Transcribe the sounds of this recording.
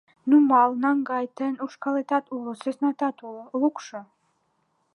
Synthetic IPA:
numɑlˠnɑŋɡɑjt̪enuʃkɑlet̪ɑt̪ulˠəsesnɑt̪ɑt̪ulˠukʃə

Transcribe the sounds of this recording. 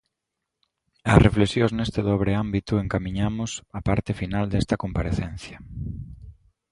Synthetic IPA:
ɐsrʔeflesjoznest̪eðɔβ̞ɾeambit̪ʊeŋkamĩɲamʊsapaɾt̪ɪfinald̪ɛst̪ɐkompaɾeθen̟θjɐ

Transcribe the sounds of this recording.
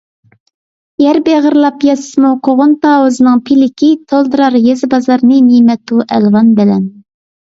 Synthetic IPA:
jæɾbeʁəɾlˠɑpjɑsɨ̥smuqʰoʁʊnt̪ɑːwuzɨnɨŋpʰilɪkʲit̪ʰolˠd̪ɨɾɑɾjezɨbɑzɑɾnɨmimɛt̪ʰuʔɛlwɑnbɪlɛ̰n

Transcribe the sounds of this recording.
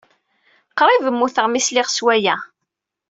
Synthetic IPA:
qɾˤivəmːuθəʁmislɪʁswæjæ

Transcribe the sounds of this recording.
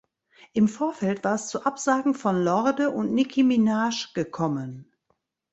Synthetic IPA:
ʔɪmfoːɐfɛltv̥aːɐɛst͡suʔapz̥aːɡŋ̩fɔnlɔʁdəʔʊntnɪkʰiminaːʃɡ̥əkʰɔmən

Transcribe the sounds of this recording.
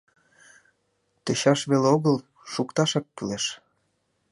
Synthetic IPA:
t̪ĕɕɑʃβeleoɣəl | ʃukt̪ɑʃɑk̚pyleʃ

